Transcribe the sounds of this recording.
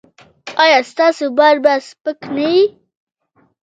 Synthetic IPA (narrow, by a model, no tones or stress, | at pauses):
ɑjɑst̪ɑsobaɾbaspəknawi